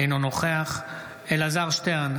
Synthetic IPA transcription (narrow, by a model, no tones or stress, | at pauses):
ejnonoχeaχ | elazaʁʃteʁn